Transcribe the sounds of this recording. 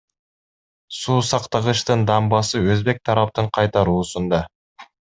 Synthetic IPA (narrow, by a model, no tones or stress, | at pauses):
suːsɑqt̪ɑʁɯʃt̪ɯnd̪ɑmbɑsɯøzbe̞k̚t̪ʰɑɾɑp̚t̪ɯɴqʰɑjt̪ɑɾuːsund̪ɑ